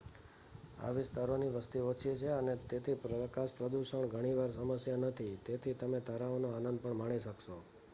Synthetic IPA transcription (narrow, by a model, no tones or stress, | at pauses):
a̰ʋɪst̪aɾoniʋəst̪iot͡ʃʰit͡ʃʰeənet̪et̪ʰipəkaʃpɾəd̪uʃəɳɡʱəɽ̃iʋaɾsəməsjanət̪ʰit̪et̪ʰit̪əmet̪aɾaonoanənd̪̚pəɳmaɽ̃iʃəkʃo